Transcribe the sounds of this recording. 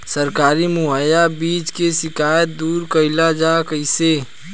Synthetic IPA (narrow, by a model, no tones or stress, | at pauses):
səɾkaːɾimuɦajabiːt͡ʃkesɪkaːjət̪̚d̪uːɾkəɪlad͡ʒakəɪse